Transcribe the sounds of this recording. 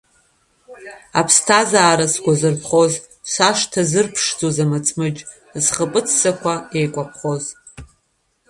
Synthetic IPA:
apʰstʰazaːɾasɡʷazɨrpʰχoz | sʷaʂtʰazɨrpʰʂd͡zozamat͡sʼmɨd͡ʒʼ | zχəpʼɨt͡sʰsakʷʰaejkʷʼapʰχo̞z

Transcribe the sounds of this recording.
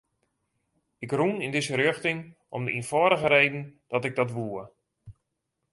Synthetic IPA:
ɪkrunɪndɪzəɾøxtɪŋ | ɔ̰mdəinfɔːɾəɣəɾejdən̩d̥ɔtɪɡ̚dɔtʋuə

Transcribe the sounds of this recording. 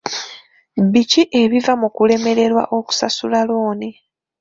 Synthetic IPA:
βiciʔe̞βivamukule̞me̞ɾe̞ɾwa̰ʔo̞ku̥sasulalo̞ːne

